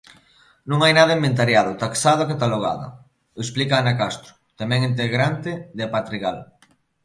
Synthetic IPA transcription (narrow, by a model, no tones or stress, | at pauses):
nũŋajnaðaement̪̬aɾjaðʊt̪aksaðokat̪aloɣ̞a̰ðɐ̰ | esplikaːnakast̪ɾʊ̥t̪amɛ̃ŋint̪̬eɣɾant̪ɪðepat̪ɾiɣal